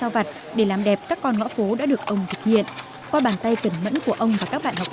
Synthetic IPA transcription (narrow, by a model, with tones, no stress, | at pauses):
sa˧wva˨˩t̚ | ɗe˧˩laː˨˩mɗɛ˨˩p̚kaː˦˥kːɔ˧nŋɔ̰˧˥fo˨˦ɗa̰ː˧˥ɗɨ˨˩ək̚ʔə˧wŋ͡mt̪ʰɨ˨˩k̚hḭ˧˨ən | kwaː˧ɓaː˧˩nt̪a˧jkə˧˩nmə̰˧˥nku˧˩əʔə˧wŋ͡mvaː˨˩kaː˦˥k̚ɓa̰ː˧˨nhɔ˨˩k͡p̚